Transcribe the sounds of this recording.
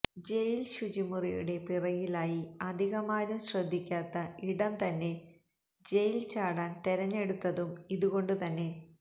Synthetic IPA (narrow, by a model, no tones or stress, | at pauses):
d͡ʑe̞jilɕud͡ʑimurijṵɽe̞pirɐjilaːjiɐd̪ʱiɣɐmaːnumɕrɐd̪ʱːikʲːaːt̪ːɐiɽɐmt̪ɐnːe̞ | d͡ʑe̞jilt͡ɕaːɽaːnt̪eɾɐɲːe̞ɽut̪ːɐðumiðuɣo̞ɳɖɨt̪ɐnːe̞